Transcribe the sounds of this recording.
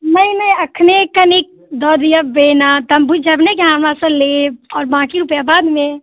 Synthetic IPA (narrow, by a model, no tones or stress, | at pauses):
nəĩnɐĩəkʰnekənik̚ | d̪ɔːd̪ijəbenat̪əmbud͡ʒɐbnekiɦãːmasə̃leɔːɾbãːkiɾupjabaːd̪mẽ